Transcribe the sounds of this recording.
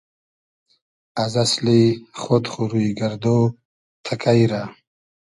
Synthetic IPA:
azasliχot̪χuɾuɡaɾd̪o | t̪ʰakʰajɾa

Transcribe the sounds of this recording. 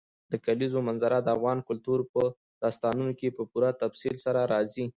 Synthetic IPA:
d̪̥əkalizomanzaɾad̪əafɣɑnkʊlt̪uɾpə | d̪̥ɑst̪ɑnunokepəpuɾat̪afsilsaɾaɾɑzi

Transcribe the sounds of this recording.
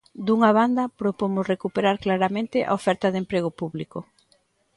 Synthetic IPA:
d̪uŋaβ̞and̪ɐpɾopomʊsrekupeɾaɾklaɾamẽnt̪ɪʔa̰ofɛɾt̪ɐðempɾeɣ̞opuβliko

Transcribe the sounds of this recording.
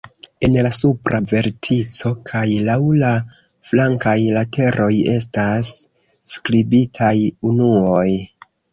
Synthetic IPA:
e̞nlasupɾʔave̞ɾtʰit͡so̞kʰajlawla | flaŋkajlatʰe̞ɾʔo̞je̞stasː | kɾibitʰajunuo̞j

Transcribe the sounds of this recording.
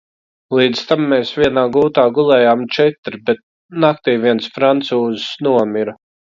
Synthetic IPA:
lˠiːd̪z̥t̪amːeːsvʲiɛnaːɡuːt̪aːɡulˠɛːjaːmt͡ʃɛt̪ɾbɛt̪̚ | nak̚t̪iːviɛnsfɾant̪suːzsnuɔmʲiɾa

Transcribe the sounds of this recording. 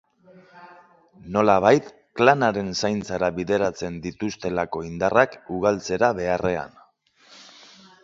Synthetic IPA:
no̞laβ̞ajt̪ | klanaɾe̞nsajnt͡saɾaβiðe̞ɾat͡se̞nd̪it̪ust̪e̞lako̞ind̪arakuɣ̞alt͡se̞ɾaβe̞are̞a̰n

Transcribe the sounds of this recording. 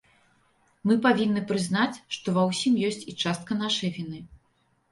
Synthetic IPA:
mɨpavʲinːɨpɾɨznat͡sʲʂt̪ɔvɐwsʲimjɔsʲt͡sʲit͡ʂast̪̚kɐn̪aʂɐjvʲinɨ

